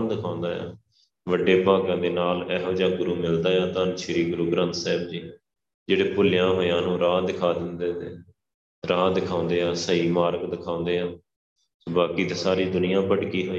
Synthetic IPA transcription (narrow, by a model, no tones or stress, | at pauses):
nd̪ɪkʰãːʊ̃nd̪aːjã̰ː | ʋəɖːeːbʱaːɡãːd̪eːnaːlɛːɦoːd͡ʒãːɡʊɾuːmɪld̪aːjãːt̪aːnʃɪɾiːɡʊɾuːɡɾə̃nt̪sɛːb̚d͡ʒiː | d͡ʒeːɽeːpʊlɪjãːɦoːjãːnũːɾãːd̪ɪkʰaːd̪ɪnd̪eːt̪eː | ɾãːd̪ɪkʰãːʊ̃nd̪eːãːsəiːmaːɾəkd̪ɪkʰãːʊ̃ːnd̪eːãː | soːbaːkiːt̪eːsaːɾiːd̪ʊnɪjãːpəɽkiːɦoːi